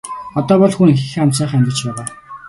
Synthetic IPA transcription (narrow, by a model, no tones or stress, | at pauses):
ɔt̪ɔːpɔɮxunxexamsaːχæmʲt̪ʲə̆t͡ɕpæːʁaː